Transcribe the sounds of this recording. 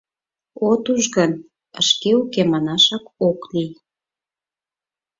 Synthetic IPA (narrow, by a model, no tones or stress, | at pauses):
ot̪uʒɣən | ə̰ʃkeukemɑnɑʃɑkoklij